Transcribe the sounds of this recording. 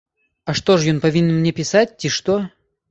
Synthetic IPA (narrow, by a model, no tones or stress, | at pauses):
ɐʂt̪oʐjonpɐvʲinʲnmnʲepʲɪsat̚ʲtʲiʂt̪o